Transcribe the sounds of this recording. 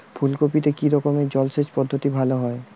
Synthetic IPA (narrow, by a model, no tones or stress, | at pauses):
pʰulkopit̪ekiɾɔkomed͡ʑɔlset͡ɕpɔd̪ʱːot̪ibʱaloɦɔe